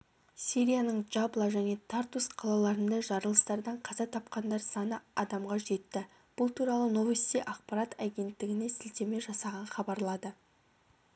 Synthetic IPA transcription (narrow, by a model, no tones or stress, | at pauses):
sʲiɾʲijanəɴʒɑblˠɑʒæne̞t̪ʰart̪usqʰɑlˠɑlˠɑɾənd̪ɑʒɑɾəlˠəst̪ɑɾd̪ɑɴqʰɑzɑt̪ʰɑp̚qɑnd̪ɑɾsɑnəɑd̪ɑmʁɑʒe̞t̪ːɪ | b̥ʊlˠt̪ʰuɾɑlˠəno̞vest̪ijʔɑq̚pɑɾɑt̪æɡʲe̞nt̪ːɪɡʲɪne̞sɪlt̪eme̞ʒɑsɑʁɑnχɑbɑɾlˠɑd̪ə